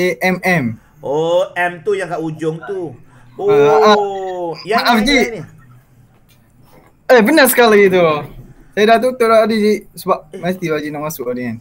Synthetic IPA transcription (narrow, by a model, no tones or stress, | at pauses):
eʔɛmɛm | ʔoɛmt̪ujaŋkaʔud͡ʒʊŋt̪u | aa | aʔafd͡ʒi | əbənasə̥kalit̪̬u | sajadat̪̬ut̪udaadid͡ʒaiʔsəbaʔ̚mast̪ibad͡ʒiʔnaʔmasuʔadian